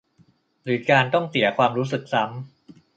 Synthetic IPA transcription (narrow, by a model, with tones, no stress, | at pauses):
ɾɯː˩˦kaː˧nt̪ɔ˥˩ŋsi˨˩˦ɐkʰwaː˧mɾuː˦˥s̬ɯ˨˩k̚sa˦˥m